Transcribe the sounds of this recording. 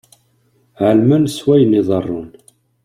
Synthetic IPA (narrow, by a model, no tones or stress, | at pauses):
ʕəlmænswæjəniðˤərˤːʊn